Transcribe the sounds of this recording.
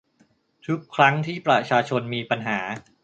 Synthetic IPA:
t̪ʰu˦˥kʰːɾa˦˥ŋt̪ʰiː˥˩pɾa˧t͡ɕʰaː˧t͡ɕʰo˧nmiː˧pa˧nɦaː˩˦

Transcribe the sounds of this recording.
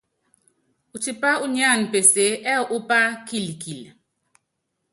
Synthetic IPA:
u˨ti˦pa˦u˦ɲa˦˨npe˨se˨˦ʔɛ˦˨ʔu˦pa˦ki˦˨lki˨l

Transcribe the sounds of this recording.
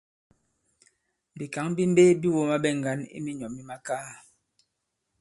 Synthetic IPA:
bi˨ka˨˦ŋ˦bi˦m̩˦be˦bi˦wo˦ma˦bɛ˦ŋ̩˨ɡa˦nḭ˦mi˦ɲɔ˨mi˦ma˦kaː˦

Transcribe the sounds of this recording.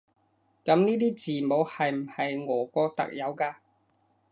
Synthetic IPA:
kɐ˨˧˥mniː˥t̪iː˥t͡siː˨˩mo˨˧whɐ˨jm̩˨˩hɐ˨jŋɔː˨˩kɔː˧t̪ɐ̰˨k̚jɐ˨˧wkaː˧

